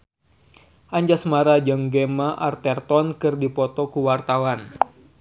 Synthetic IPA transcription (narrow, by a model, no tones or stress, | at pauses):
ʔaɲd͡ʒasmaɾad͡ʒaŋɡemaʔart̪ɛrt̪ɔnkɨrdipɔt̪ɔkuwart̪awan